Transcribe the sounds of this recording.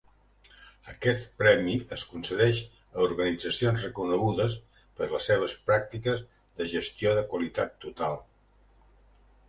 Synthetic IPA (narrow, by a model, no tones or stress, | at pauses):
əkɛt̪pɾɛmiəskunsəðɛʃ | əuɾɣənid͡zəsionzrəkunəɣuðəs | pəɾləsːeβ̞əspɾak̚t̪ikəz | ðəʒəst̪ioðəkwəlit̪at̪ːut̪alˠ